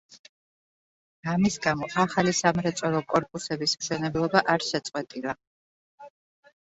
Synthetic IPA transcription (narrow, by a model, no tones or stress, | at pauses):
amisɡamɔʔaχalisamɾɛt̪sʼɔɾɔkʼɔɾpʼusɛbismʃɛnɛblˠɔbaʔaɾʃɛt̪sʼqʼwɛt̪ʼilˠa